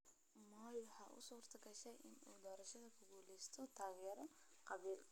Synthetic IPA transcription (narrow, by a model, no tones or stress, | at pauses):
mɔːjwħɑːʔʊ̰suːrt̪ʰɐɡɐʃɛjʔɪnuːd̪ɔːɾɐʃɐðɐkʰʊɡuːlɛst̪ʰɔt̪ʰaːɣɛɾɔ | qɑβiːl